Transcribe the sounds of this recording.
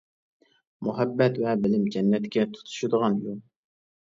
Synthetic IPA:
muɦɛbːɛt̪wɛbɪlɪmd͡ʒɛnːɛt̪kʲʰɛt̪ʰu̥t̪ʰu̥ʃud̪əʁɑnjo

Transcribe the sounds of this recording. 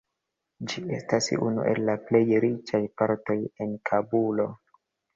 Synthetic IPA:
d͡ʒie̞stasṵnṵʔe̞̰lːaple̞jɾit͡ʃajpaɾto̞jenkʰabulo̞

